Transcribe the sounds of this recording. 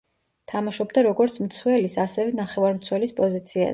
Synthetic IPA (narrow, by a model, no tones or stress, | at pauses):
t̪ʰamaʃɔbd̪aɾɔɡɔɾt̪sʰmt̪sʰwɛlisasɛvɛnaχɛvaɾmt̪sʰwɛlispʼɔzit̪sʰia̰